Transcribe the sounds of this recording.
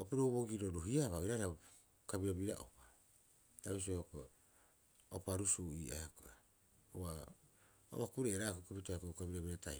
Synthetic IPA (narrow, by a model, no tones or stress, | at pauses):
opiɾoβoɡiɾoɾuɦiaβaiɾaɾa | kabiɾobiɾaʔo̰pḁ | ɾaβis̬ohoko | opaɾusuiːa̰akoa | owa | o̰βakuɾeʔeɾakokipitakokabiɾoβiɾata̰j